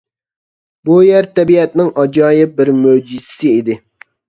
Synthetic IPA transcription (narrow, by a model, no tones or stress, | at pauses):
bujæɾt̪ɛbiɛt̪nɪŋɑd͡ʒɑːjɪp̚bɪɾmød͡ʒizɪ̥sɪid̪ɪ